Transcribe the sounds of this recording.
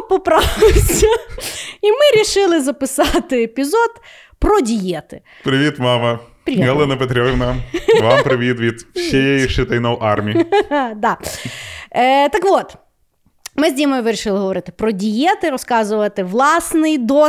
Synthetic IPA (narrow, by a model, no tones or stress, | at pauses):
pɔpɾɑʋɪsʲɐ | imɪɾʲiʃɪlˠɪzɐpɪsɑt̪ɪepʲizɔd̪ | pɾɔdʲijɛt̪ɪ | pɾɪʋʲit̪mɑmɐ | pɾʲɪiɦɛlˠɛnɐpet̪ɾʲɔʋɪnɐmʋampɾɪʋʲit̪ʋʲit̪sɕɛjɛjiʃɪt̪ɐjnɐwʔɑrmʲid̪ɑ | t̪ɐkʋɔt̪ | mɪzʲimɔjʋɪɾʲiʃɪlˠɪɦɔʋɔɾɪt̪ɪ̥pɾɔdʲijɛt̪ɪɾɔskɑzʊʋɐt̪ɪʋlˠɑsnɪjd̪ɔ